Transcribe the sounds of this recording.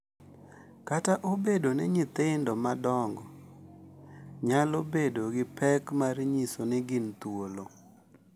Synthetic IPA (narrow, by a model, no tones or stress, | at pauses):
kataʔobedonɛ̰ɲɪt̪ɪndɔmadɔŋɡɔ | ɲalobedoɡɪpʰɛkmaɾɲisonɪɡɪnt̪wolo